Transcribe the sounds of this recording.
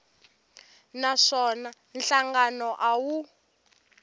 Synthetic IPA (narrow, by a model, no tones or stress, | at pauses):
naʂɔna | nɬaŋɡanɔʔawu